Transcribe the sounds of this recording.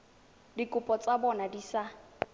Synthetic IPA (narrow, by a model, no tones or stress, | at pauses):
dikʼʊpʼɔt͡sʼabɔnadisa